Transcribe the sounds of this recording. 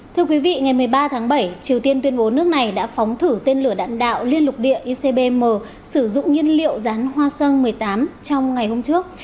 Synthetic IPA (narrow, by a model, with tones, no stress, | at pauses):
t̪ʰɨ˧əkwi˨˦vḭ˧˨ŋa˨˩jmɨ˨˩əjɓaː˧t̪ʰaː˨˦ŋɓə˧˩jt͡ɕi˨˩əwt̪i˧ənt̪wi˧ənɓo˨˦nɨ˦˥ək̚na˨˩jɗa̰ː˧˥fɔ˨˦wŋ͡mt̪ʰɨ˧˩t̪e˧nlɨ˧˩əɗa̰ː˧˨nɗa̰ː˧˨wli˧ənlʊ˨˩k͡p̚ɗḭ˧˨əʔi˧se˧ɓe˧məː˨˩ | sɨ˧˩zʊ̰˧˨ŋ͡mŋi˧ənlḭ˧˨əwzaː˨˦nɦwaː˧sə˧nmɨ˨˩əjt̪aː˨˦mt͡ɕɔ˧wŋ͡mŋa˨˩jho˧mt͡ɕɨ˦˥ək̚